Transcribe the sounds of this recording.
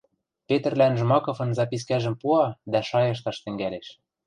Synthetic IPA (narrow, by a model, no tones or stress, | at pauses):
pet̪ɘ̆rlænʒ̆mɑkɤ̆fɤ̆nzɑpʲis̬kæʒɘ̆mpuɑd̪æʃɑjɤ̆ʃ̬t̪ɑʃt̪ɘ̆ŋɡæleʃ